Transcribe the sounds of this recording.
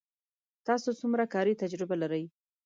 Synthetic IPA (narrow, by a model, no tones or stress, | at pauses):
t̪ɑsot͡sumɾakɑɾit̪ad͡ʒɾɪbalaɾəj